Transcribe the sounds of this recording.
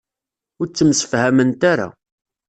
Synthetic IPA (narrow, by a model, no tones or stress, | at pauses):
ʊɾt͡sːəmsə̥fhæmənt̪aɾa̰